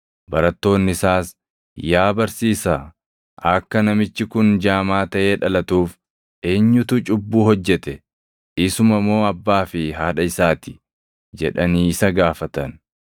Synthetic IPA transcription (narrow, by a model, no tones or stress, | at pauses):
bɐɾɐt̪ːo̞ːnːɪɪsaːs | jaːbɐɾsiːsa | ʔɐkːɐnɐmɪt͡ʃːɪkʊnd͡ʒaːmaːt̪ɐʔe̞ːᶑɐlɐt̪uːf | ʔe̞ːɲːʊt̪ʊt͡ʃʼʊbːuːhɔd͡ʒːɛt̪ɛ | ɪsʊmɐmːo̞ːɐbːaːfɪɦaːᶑɐɪsaːt̪ɪ̥ | d͡ʒɛ̰ᶑɐniːɪsɐɡaːfɐt̪ɐn